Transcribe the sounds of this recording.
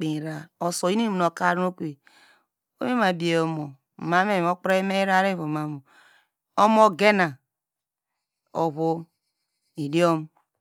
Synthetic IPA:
k͡pi˨ɾa˨o˨so˨i˦ni˦m˨no˨ka˦ɾno˦kʷe˨ | o˦e˦ma˨bi˨e˨o˨mo˨ | ma˦me˦˨o˦k͡pɾe˦me˦i˦ɾa˦ɾe˦βo˨ma˨mo˨ | o˦mo˦ɡe˦na˨ | o˨βo˦ | i˨di˦o˦m˦

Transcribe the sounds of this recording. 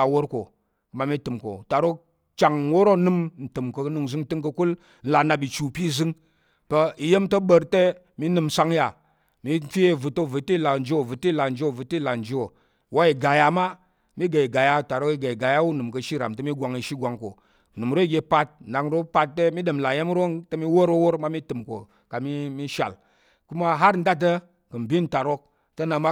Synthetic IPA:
a˨wo˦ɾko̰˨ | kə˨ma˨mi˦tɨ˨mko̰˨ta˨ɾo˦ | t͡ʃa˨ŋwo˦ɾo˦nɨ˦mn̩˨tɨ˨mkə˨knu˧ŋ˨zɨ˦ŋtɨ˦ŋkə˧ku˦l | n̩˨˦la˨na˧bi˨t͡ʃu˨pi˦˨zɨ˦ŋ | pə˧i˨je˦mtə˦ɓə˧ɾte˦ | mi˦nɨ˧msa˦ŋja˨ | mi˦fi˦je˦˨vɨ˨to˦˨vɨ˨ti˦˨la˨n˦d͡ʒi˦o˨vɨ˨ti˦˨la˨n̩˨d͡ʒi˦o˦˨vɨ˨tla˨n̩˨d͡ʒi˦o˨ | wa˦i˨ɡa˨ja˨ma˦ | mi˦ɡa˨i˨ɡa˨ja˦˨ta˨ɾo˦ki˦ɡa˨i˨ɡa˨ja˦wu˦nɨ˨mkə˧ʃi˦ɾa̰˨mtə˦mi˦ɡʷa˨ŋi˦ʃi˦ɡʷa˨ŋko̰˨ | nɨ˨m˨ɾo˦i˦ɡʲe˧pa˦t̚na˨ŋɾo˦pa˧tːe˦mi˦ɗə˨mla˨je˦m˦ɾo˦ntə˦mi˦wo˦ɾo˦wo˦ɾma˦mi˦tɨ˨mko̰˨ | ka˨mi˦mi˦ʃa̰˨l | ku˦ma˦ɦa˦ɾn̩˦da˦t̬ə˦ | kə˨mbi˦nta˨ɾo˦k̚ | tə˦na˨ma˦

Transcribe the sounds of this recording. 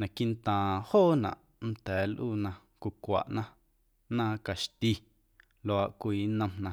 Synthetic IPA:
nã˨ki˦nt̪ãː˨hoː˦˨nã̰˨ʔ | n̩˦t̪ɛː˨˦lʔuː˦nã˧ | kʷu˧kʷa̰˨ʔnã˦ | nãː˦ka˨ʃt̪i˧ | lo˧a˨ʔkʷiː˨˦nə̃˧mnã˧

